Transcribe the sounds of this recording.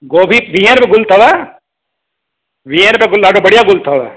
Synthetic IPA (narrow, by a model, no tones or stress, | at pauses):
ɡoːbʱiʋiɦẽɾpeɡʊlt̪ʰɐʋa | ʋiɦẽɾpeɡʊlaɖobɐɽijaɡʊlt̪ʰɐʋa̰